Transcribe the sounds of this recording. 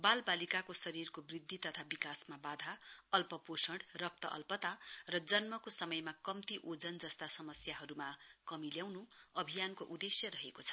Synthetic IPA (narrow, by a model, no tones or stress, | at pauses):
balbalikakosʌɾirkobrid̪ʱːit̪ʌt̪ʰabikasmabad̪ʱaʌlpʌposʌɳɖrʌk̚t̪ʌ̰ʔʌ̰lpʌt̪arʌd͡zʌnmʌkosʌmʌjmakʌmt̪iʔod͡zʌnd͡zʌst̪asʌmʌsjaɦʌɾumakʌmiljawnuʌbʱijankoʔud̪esjʌɾʌɦekot͡sʰʌ̥